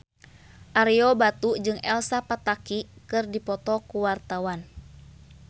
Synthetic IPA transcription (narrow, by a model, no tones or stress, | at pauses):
ʔaɾiɔbat̪ud͡ʒɨŋɛlsapat̪akikɨrdipɔt̪ɔkuwart̪awan